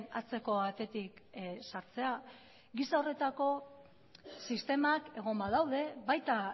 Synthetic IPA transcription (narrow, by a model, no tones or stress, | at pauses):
nat͡se̞ko̞βat̪e̞t̪iksaɾt͡se̞a | ɣisao̞re̞t̪ako̞ | sist̪e̞make̞ɣ̞o̞mbaðawðe̞βajt̪a